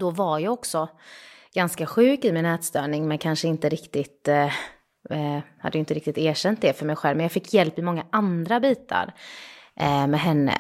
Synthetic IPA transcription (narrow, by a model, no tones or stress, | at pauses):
d̪ɔvaɾjaːɔksɔɡ̥anskaɧʉ̟ːkɪmɪnɛːt̪st̪œːɳɪŋmɛnkʰanʂəɪnt̪əɾɪkt̪ɪt̪ | ha̰d̪ːjʏɪnt̪əɾɪk̚t̪ɪkt̪æːʂɛnt̪̚d̪ɛfœɾmɛjɧɛlvmɛnjaːɡfɪkʰːjɛlpɪmɔŋːaʔand̪ɾabiːt̪ʰa̰ɾʔmɛɦɛnːə̰